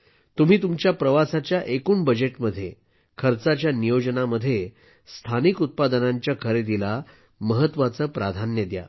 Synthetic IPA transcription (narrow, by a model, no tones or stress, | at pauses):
t̪um̤iːt̪umt͡ɕjapɾəʋasat͡ɕjaʔekuːɳbəd͡ʑeʈməd̪ʱːje | kʰəɾt͡sat͡ɕjanijod͡ʑənaməd̪ʱːje | st̪ʰanikut̪̚pad̪ənaɲt͡ɕjakʰəɾed̪ila | məɦət̪ʋat͡səːpɾad̪ʱanjəd̪ja̰